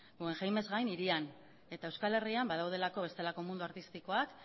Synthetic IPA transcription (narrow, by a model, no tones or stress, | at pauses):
ɡue̞ŋxajme̞zɣajniɾian | e̞t̪aewskale̞riambað̞awð̞e̞lako̞βe̞st̪e̞lako̞mund̪uaɾt̪ist̪iko̞ak